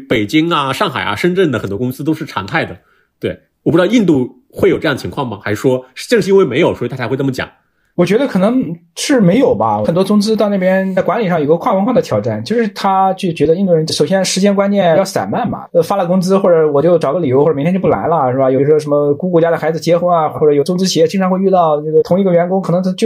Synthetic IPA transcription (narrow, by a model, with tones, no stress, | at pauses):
pe˨˩ɪt͡ɕi˥ŋɐ˨ʂɑ˥˩ŋxa̰˨˩ɪɐ̰˦ʂə˥nʈ͡ʂə˥˩ŋd̪ə˩xə˨˩nt̪wɔ˥kʊ˥ŋsɹ̩˥t̪o˥ʊʂɻ̩˥˩ʈ͡ʂʰɑ̰˧˥ŋt̪ʰa˥˩ɪd̪ə˩ | t̪we˥˩ɪ | wɔ˨˩p̪ɑ˥˧i˥˧nt̪u˥˧ | xwe˥˩jʈ͡ʂj̪ə˨t͡ɕʰkwɑ˥˩ŋmɐ˩xa˧˥ɪʂʂwɔ˥ʂ̩˥˧t͡ɕŋʂɻ̩˥we˥˩ɪme˧˥ɪjo˨˩ʊwɔ˧˥i˧t̪a˥˩t͡ɕa˧˥wmə˩t͡ɕjɑ̰˨˩˦ŋ | wɔ˨˩t͡ɕɥɛ˧˥d̪ə˧kʰɤ˨˩nɤ˧˥ŋʂɻ̩˥˩me˧˥ɪjo˨˩ʊbɐ˧xə˨˩nt̪wɔ˥t͡sʊ˥ŋt͡sɹ̩˥t̪ɑ˥˧ʊna˥˩pjɛ˥na˥˩ɪkwa˧˥nli˨˩ʂ̬ɑ˥˩ŋjo˨˩ɡə˧kʰwɑ˥˩ŋwə˥ŋkʰwɑ˥˩ŋd̪ə˩t̪ʰjɑ˨˩ʊa˥˩nt͡ɕjo˥˧ʂɻ̩˥˩t̪ʰa˥t͡ɕy˥˩t͡ɕɥɛ˧˥d̪i˥˧nt̪u˥˩ɻə˧˥nt͡ɕʂo˨˩ʊɕjɛ˥nʂɻ̩˧˥t͡ɕjɛ˥nkwa˥nt͡ɕjɛ˥˩n˧jɑ˥˩sa̰˨˩nma˥˩nmɐ̰˩ə˧fa˥lə˧˩kʊ˥ŋt͡sɹ̩˥xwɔ˥˩ʈ͡ʂɤ˧˩wɔ˨˩t͡ɕjo˥˩ʊʈ͡ʂɑ˨˩ʊɡə˧li˨˩o˧˥xɔ˥˩˨m˧˥tʰt͡ɕjpla̰˧˥lə˧ʂɻ̩˥ba˨˩jo˨˩ʂwɔ˥ʂ̬ə˧˥nmə˧ku˥kwɔ˧˥t͡ɕja˥ɾə˩xa˧˥ɪd͡zɹ̩˩t͡ɕjɛ˥xo˧˥a˨˩xwɔ˥ɔ˥˩ʈ͡ʂɤ˧˩jo˨˩ʊt͡sʊ˥ŋt͡sɹ̩˥t͡ɕʰi˨˩jɛ˥˩t͡ɕi˥ŋʈ͡ʂʰxwe˥˧ɪy˥˧t̪ɑ˥˧ʊnə˥˩ɡə˩t̪ʰʊ˧˥ŋi˧˥ɡə˧ɥɛ˧˥nkʊ˥ŋkʰnɤ˧˥ŋʰ˥t͡ɕjo˥˧˩